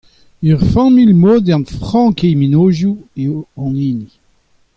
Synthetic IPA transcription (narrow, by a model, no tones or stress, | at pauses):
œʁfɑ̃milmoːd̪ɑ̃nfʁɑ̃kejminoːʒjueoɑ̃niːni